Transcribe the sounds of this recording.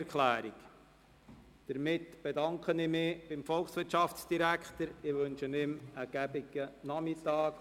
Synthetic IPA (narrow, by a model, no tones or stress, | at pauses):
kʰlæːɾik | d̥əɾmɪtb̥edɑŋkχənɪmɪb̥ɪmfɔlksʋɪɾtt͡ʃʃɑft͡sd̥iɾækχt̪əɾɪʋɵnʃənɪməɡ̥æbɪɡənɑmitɑːk